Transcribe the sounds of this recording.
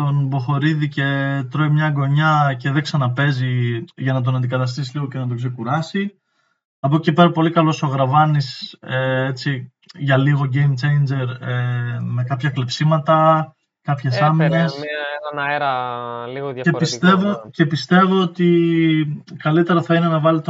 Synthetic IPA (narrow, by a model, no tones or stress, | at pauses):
onbo̞xo̞ɾiðice̞t̪ɾo̞imɲɐɡo̞ɲɐce̞ðeɡsɐnɐpe̞ziʝɐnɐt̪̬o̞nɐnd̪ikɐt̪ɐst̪isiliɣoce̞nɐt̪o̞kse̞kuɾɐsi | ɐpo̞cepe̞ɾɐpo̞likɐlo̞so̞ɣɾɐvɐniseet͡si | ʝɐliɣo̞ɟe̞jmt͡ʃe̞jnd͡ʒe̞ɾeme̞kɐpçɐklepsimɐt̪ɐ | kɐpçe̞sɐmine̞s | ɾɐliɣce̞pist̪e̞vo̞ce̞pist̪e̞vo̞ot̪i | kɐlit̪e̞ɾɐθɐinenɐvɐlit̪o